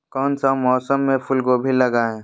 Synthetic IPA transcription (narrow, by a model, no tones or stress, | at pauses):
kɔːnsamɔːsəmːẽpʰʊlɡobʱilɐɡaːẽː